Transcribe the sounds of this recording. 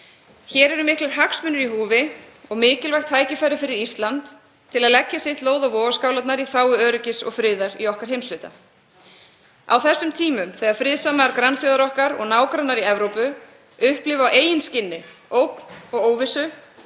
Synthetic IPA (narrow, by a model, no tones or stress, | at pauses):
çɛːɾɛɾʏmɪhklʏɾɦaksmʏːnʏɾiɦuːvɪɔɣmɪːcɪlvajxt̪ʰːaːjcɪfajɾɪfɪɾɪɾist̪lant̪ʰː | ɪlaðlɛcːasɪht̪loːwðavɔːɣaskawlat̪naɾiθaːwʏœːɾɪcɪsɔ̰ɣfɾɪːðaɾiɔhkaɾ̥ɦejmslʏːt̪a̰ | a̰wθɛsːʏmt̪ʰiːmʏmθɛːɣaðfɾɪðsamaɾkɾanfjɔːðaɾɔhkaɾɔ̰ɣnaːwkɾanːaɾiɛvɾowpʏ | ʏhplɪvawʔeːjɪnscɪnːɪoːwkn̥ɔɣoːwvɪsʏ